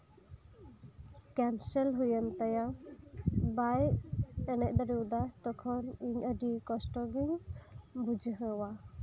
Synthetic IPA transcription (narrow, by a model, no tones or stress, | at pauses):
kɛnsɛlɦujənt̪aja | bajɛnɛʔ̚ˀd̪ɔɾiwd̪at̪ɔkʰɔniɲəɖikɔsʈɔɡiɲbud͡ʒʱɦəwa